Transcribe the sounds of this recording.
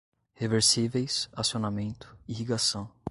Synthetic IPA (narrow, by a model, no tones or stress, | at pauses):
heveɾsivejsasionamẽnt̪ʊ̥ihiɡasɐ̃w̃